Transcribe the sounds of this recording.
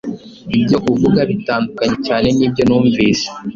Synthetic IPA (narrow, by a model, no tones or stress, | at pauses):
ib̚ɟo̞ʔuvuɡaβitaːndukaɲecaːne̞niːb̚ɟo̞nuːɱviːse̥